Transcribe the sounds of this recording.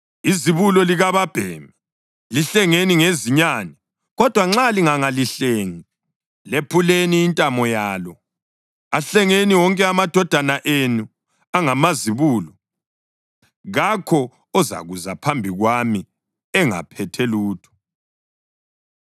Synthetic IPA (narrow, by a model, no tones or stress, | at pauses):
iziβulɔliɣaβab̥ʱɛːmɛ | liɬɛŋeniŋeziɲanɛ | ɣɔd̥ʱwaŋ͡ǁaliŋaŋaliɬeːŋi | lepʰuleniːntʼamɔjaːlɔ | aɬɛŋeniwɔŋkʼɛamad̥ʱɔd̥ʱanaʔenu | aŋamaziβuːlɔ | ɣakʰɔ | ɔza̰ɣuzapʰambʱiɣwami | ɛŋa̰pʰɛtʰɛluːtʰɔ̥